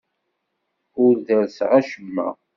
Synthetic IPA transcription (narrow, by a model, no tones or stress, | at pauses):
ʊɾðəɾsʁæʃəmːæ̰